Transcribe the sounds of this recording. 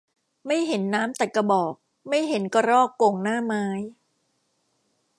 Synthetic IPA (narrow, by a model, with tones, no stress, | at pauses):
ma˥˩jɦe˩˦nːaː˦˥mt̪a˨˩kːa˧bɔː˨˩k̚ | ma˥˩jɦe˩˦nkɔ˧ɾɔː˥˩kːo˨˩ŋnaː˥˩maː˦˥j